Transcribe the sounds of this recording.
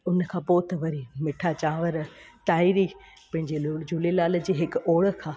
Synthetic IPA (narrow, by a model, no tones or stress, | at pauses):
ʊnəkʰãːpoːt̪ʋɐɾimɪʈʰat͡ɕãːʋəɾt̪aːiɾi | pɐ̃ɦɪ̃ɲd͡ʑild͡ʑulelaːl̆d͡ʑeːɦɪkoːɽə̆kʰãː